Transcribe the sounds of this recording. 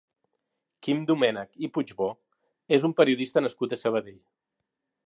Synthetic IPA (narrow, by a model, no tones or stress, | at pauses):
kimd̪umɛnəkipud͡ʒβo | ezumpəɾiuðist̪ənəskut̪əsəβ̞əðeʎ